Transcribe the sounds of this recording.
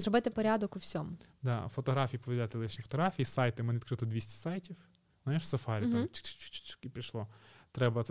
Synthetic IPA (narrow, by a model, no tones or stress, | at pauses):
zɾɔbɪt̪ɪpɔɾʲad̪ɔkʊwsʲɔmʊd̪ɑfɔt̪ɔɦɾɑfʲijipɔʋʲdʲlʲat̪ɪlˠɪʃnʲifɔt̪ɔɦɾafʲijisɑjt̪ɪmɛnɪt̪kɾɪt̪ɔd̪ʋʲisʲtʲi̥sɑjtʲiw | znajʃsɐfɑɾʲit̪amt͡ʃt͡ʃt͡ʃt͡ʃkipʲiʃlˠɔt̪ɾɛbɐ